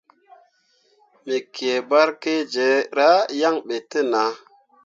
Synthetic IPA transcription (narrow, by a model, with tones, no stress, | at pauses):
mi˨kʰe˨ba˦ɾke˦d͡ʒe˨˦ɾa˦ja˦ŋɓe˨tə˦na˨˦